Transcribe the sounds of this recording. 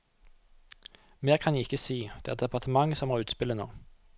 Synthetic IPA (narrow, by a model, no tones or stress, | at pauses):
meːʁkʰɑnjiːɪkəsiːd̪̥eːæːʁd̪ɛpɑʁt̪ʰəmɑŋəsɔmhɑːʁʉːt̪spɪləno̰ː